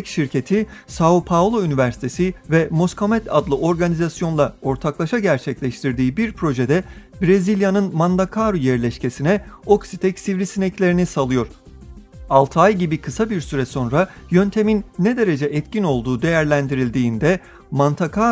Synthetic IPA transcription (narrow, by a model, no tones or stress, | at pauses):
kʃiɾcʰe̞t̪ʰisaupʰavlˠoynivæɾsi̥t̪ʰe̞sivɛmo̞skʰamɛt̪ʰa̰d̪lˠɯʔo̞ɾɡanizasjo̞nlˠao̞ɾt̪ʰaklˠaʃaɟæɾt͡ʃʰɛclʲɛʃt̪ʰiɾd̪iːbiɾpʰɾo̞ʒe̞d̪ɛbɾezilʲjanɯnmand̪akʰaɾujɛɾlʲɛʃce̞sinɛo̞ksit̪ʰɛcsivɾisinɛclʲe̞ɾinisalˠɯjo̞ɾ̥ | alˠt̪ʰajɟibikʰɯsabiɾsyɾɛso̞nɾajø̞nt̪ʰe̞minːɛd̪e̞ɾe̞d͡ʒɛʔɛt̪cino̞lˠd̪uːd̪e̞jæɾlʲænd̪iɾilʲd̪iːnd̪ɛ | mant̪ʰakʰa